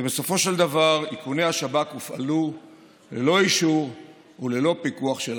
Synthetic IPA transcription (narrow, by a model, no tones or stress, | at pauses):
beso̞fo̞ʃe̞ld̪avaʁikunehaʃabakufa̰lu | lelo̞iʃuʁ | ule̞lo̞pikuaχʃel